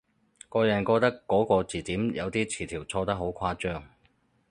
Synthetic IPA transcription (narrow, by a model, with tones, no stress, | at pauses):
kɔː˧jɐ˨˩nkɔː˧t̪ɐ˥kːɔː˨˥kɔː˧t͡siː˨˩t̪iː˨˥mjɐ̰˨˧wt̪iː˥t͡sʰiː˨˩t̪ʰiː˨˩wt͡sʰɔː˧t̪ɐ˥ɦo˨˥wkʷʰwaː˥t͡ʃœː˥ŋ